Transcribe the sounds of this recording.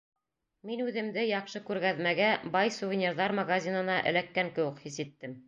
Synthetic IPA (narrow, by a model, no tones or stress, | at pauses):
minʉðɘ̆md̪ɘjɑqʃɤkʉɾɡæðmæɡæbɑjsuvʲɪnʲerðɑɾmɐɡazʲinɤ̆nɑʔɘ̰̆lækːæŋkɘ̆wɘ̆qhisɘt̪ːɘm